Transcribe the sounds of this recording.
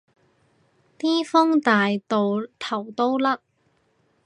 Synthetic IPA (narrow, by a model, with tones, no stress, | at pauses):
t̪iː˥fɔ˥ŋt̪aː˨jt̪o˨wt̪ʰɐ˨˩wt̪o˥wlɐ˥k̚